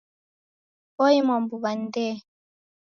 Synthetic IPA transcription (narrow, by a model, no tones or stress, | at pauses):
ɔimambuβandɛ